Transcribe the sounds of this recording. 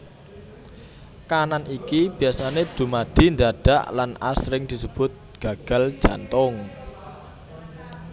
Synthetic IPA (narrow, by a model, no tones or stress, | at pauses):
kananikib̥i̤asaned̪̥ṳmad̪̥i̤nd̪aɖ̥a̤ʔlana̰sɾɪŋd̪̥i̤səb̥ʊt̪̚ɡ̥a̤ɡ̥ä̤ld̥ʒ̥a̤nt̪ʊŋ